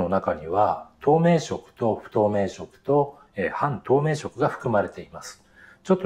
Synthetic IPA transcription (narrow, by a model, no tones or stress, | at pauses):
o̞nakaɲ̟iβat̪ʰo̞ːme̞ːɕo̞kɯ̟̥t̪o̞ɸɯ̟̥t̪o̞ːme̞ːɕo̞kɯ̟̥t̪o̞ | ehãnt̪o̞ːme̞ːɕo̞kɯ̟ɡaɸɯ̟̥kɯ̟maɾe̞t̪e̞imasɨ̥ | t͡ɕo̞t̪ːo